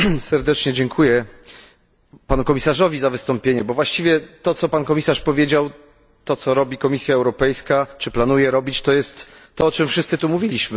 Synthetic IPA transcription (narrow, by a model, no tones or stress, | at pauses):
sɛɾd̪ɛt͡ʂɲɛd͡ʑɛŋkʰujɛ | panukɔmʲisaʐɔvʲizavɘst̪ɔmpʲjeɲɛbɔvwaɕt͡ɕivʲjɛt̪ɔt̪sɔpankɔmʲisaʂpɔvʲjed͡ʑaw | t̪ɔt̪sɔɾɔbʲikɔmʲisʲjaɛwɾɔpɛjskat͡ʂɘplanujɛɾɔbʲit͡ɕt̪ɔjɛst̪ːɔɔt͡ʂɨmfʂɘst̪sɘt̪umuvʲilʲiɕmɘ